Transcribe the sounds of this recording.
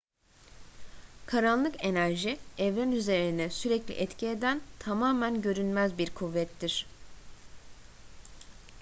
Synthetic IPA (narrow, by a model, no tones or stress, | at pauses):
kʰaɾanlːˠɯke̞næɾʒiɛvɾænyze̞ɾinɛsyɾɛclʲḭʔɛt̪cʰie̞d̪ænt̪ʰamaːmænɟø̞ɾynmæzbiɾkʰuvːɛt̪ːiɾ̥